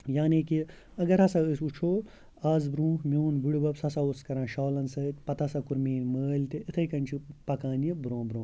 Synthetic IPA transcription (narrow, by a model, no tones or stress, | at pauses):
jaːniki | ɐɡɐɾɦɐsɐəsut͡ʃʰoː | aːzbɾũːhmoːnbiɽubɐbsɐsɐuskɐɾãːʃaːlɐnsɐt̪ʲpɐt̪ɐsɐkuɾmiːnməːlʲt̪iːt̪ʰɐjkɐnʲt͡ʃʰipɐkaːnjɐbɾõːbɾõː